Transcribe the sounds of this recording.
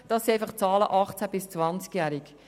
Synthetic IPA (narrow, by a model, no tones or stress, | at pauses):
d̥ɑsiaɪfɑχt͡sɑːlə̰ʔɑχt͡sæb̥ɪst͡svɑnt͡skjæːɾɪk